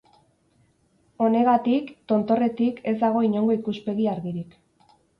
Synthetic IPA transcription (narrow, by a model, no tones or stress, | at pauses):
o̞ne̞ɣat̪ikt̪o̞nt̪o̞re̞t̪ike̞zd̪aɣ̞o̞iɲo̞ŋɡo̞ikuspe̞ɣiaɾɣiɾik